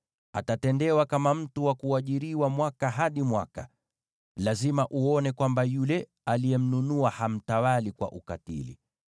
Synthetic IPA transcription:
a̰tatɛndɛwakamam̩tuwakuaʄiɾiwamwakaɦaɗimwaka | lazimaʔuɔnɛkwambajulɛ | alijɛm̩nunuaham̩tawalikwa̰ʔukatḭlḭ

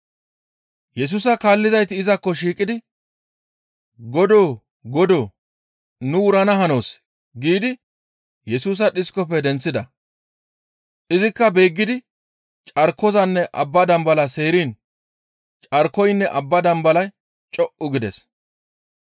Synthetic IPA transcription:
jɛs̬uːs̬ɐkaːlːɪzɐjt̪ɪɪzɐkːɔʃ̬iːkʼɪd̪ɪ | ɡɔd̪oː | ɡɔd̪oː | nʊʊɾɐnɐhɐno̞ːs | ɡiːd̪ɪ | jɛsuːs̬ɐɗɪskɔpːɛd̪ɛnt͡sːɪd̪ɐ | ʔɪzɪkːɐbe̞ːɡːɪd̪ɪ | t͡ʃʼɐɾkːɔzɐnːɛʔɐbːɐd̪ɐmbɐlɐse̞ːɾiːn | t͡ʃʼɐɾkːɔjnːɛʔɐbːɐd̪ɐmbɐlɐj | t͡ʃʼɔʔʔʊɡɪd̪ɛs

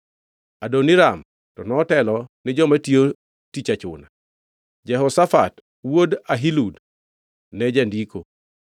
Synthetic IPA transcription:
adonɪɾam | tɔnɔːtɛlɔnɪd͡ʒɔmatio | tit͡ʃat͡ʃʊ̰na | d͡ʒɛɦɔsafat | wodaɦilud | nɛd͡ʒandiko

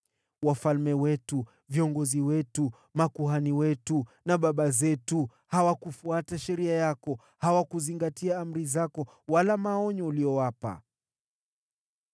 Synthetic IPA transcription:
wafalmɛwɛtu | viɔŋɡɔziwɛtu | makuɦaniwɛtunaɓaɓazɛtu | hawakufuataʃɛɾiajakɔ | hawakuziŋɡatʰiaam̩ɾizakɔ | walamaɔɲɔuliɔwapa̰

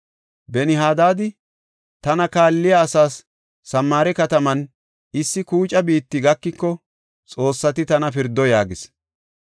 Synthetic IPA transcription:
bɛnɪɦaːd̪aːd̪ɪ | t̪ɐnɐkaːlːɪjaːsaːsː | ɐmːaːɾɛkɐt̪ɐmɐn | ɪsːɪkuːt͡ʃʼɐbiːt̪ːɪɡɐkːɪkːɔ | t͡sʼo̞ːsːɐt̪ɪt̪ɐnɐpɪɾd̪ːɔjaːɡɪs

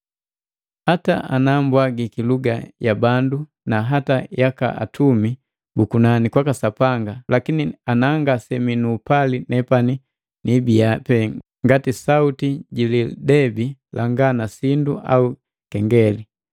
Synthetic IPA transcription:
hataanambwaɡikiluɡa̰jabandu | naɦatajaka̰ʔa̰tʰumi | bukunanikwakasapaŋɡalakinianaŋɡasɛminuːpalinɛpani | nibiapɛ | ŋɡatisautiɟilidɛbilaŋɡanasinduʔa̰u | kɛŋɡɛli

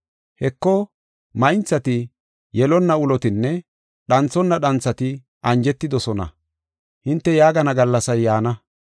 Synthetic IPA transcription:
hɛkːɔ | mɐjnt͡sːɐt̪ɪ | jɛlɔnːɐʊlɔt̪ɪnːɛ | ɗɐnt͡sːɔnːɐɗɐnt͡sːɐt̪ɪ | ʔɐnd͡ʒɛt̪ːɪd̪ɔsɔnɐ̰ | hɪnt̪ːɛjaːɡɐnɐɡɐlːɐsɐjːaːnɐ

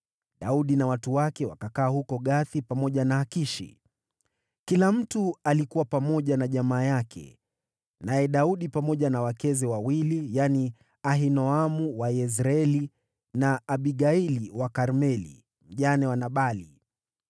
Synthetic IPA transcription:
ɗauɗinawatuwakɛwakakaːhukɔɠaθipamɔʄanaakiʃḭ | kilam̩tualikuwapamɔʄanaʄamaːjakʰɛ̰ | najɛɗauɗipamɔʄanawakɛzɛwawilijani | aɦinɔamuwajɛs̬ɾaɛli | naːɓiɠailiwakaɾmɛlḭ | m̩ʄanɛwanaɓali

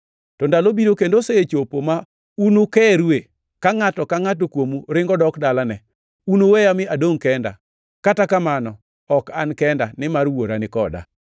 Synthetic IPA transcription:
tɔndalobiɾokendoseet͡ʃopoma | unukɛɾwe | kaŋatɔkaŋat̬okwomuɾɪŋɡɔdɔkdalanɛ | unowɛjamɪadoŋkɛnda̰ | katakamanɔ | ɔkankɛndanɪmarwoɾanɪkɔda̰

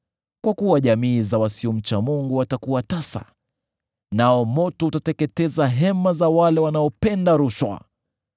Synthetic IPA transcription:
kwakuwaʄamiːzawasiɔm̩t͡ʃamuŋɡuwatakuwatasa̰ | naɔmɔtɔutatɛkɛtɛzaɦɛmazawalɛwanaɔpɛndaɾuʃwa̰

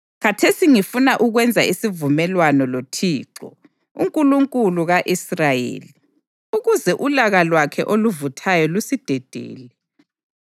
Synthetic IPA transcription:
ɣatʰesiŋifunaʔuɣwɛnd͡zʱaisivumɛlwanɔlotʰiːǁɔ̰ | ṵŋkʼuluŋkʼuluɣaʔisrajḛːli | uɣuzɛʔulaɣalwakʰɛ̰ʔoluvutʰajɔlusid̥ʱɛd̥ʱḛːlɛ

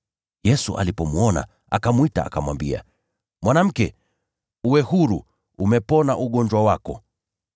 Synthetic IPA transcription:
jɛsuʔa̰lipɔmuɔna̰ | akamwita̰a̰kamwambia̰ | mwanam̩kɛ | uwɛhuɾu | umɛpɔnaʔuɠɔɲd͡ʒwawakɔ

